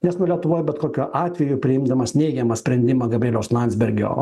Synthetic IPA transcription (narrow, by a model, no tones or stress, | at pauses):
nʲɛsnʊɔlʲiɛt̪ʊʋoːjbʲɛt̪koːkʲuːʔɑːt̪ʲʋʲɛjʊpʲɾʲɪɪmd̪ɐmɐsnʲɛɪɡʲɛmɐsʲpʲɾʲɛnʲd̪ʲɪmɐɡɐbʲeːlʲoːslˠɑnʲzʲbʲɛɾʲɡʲo̰ː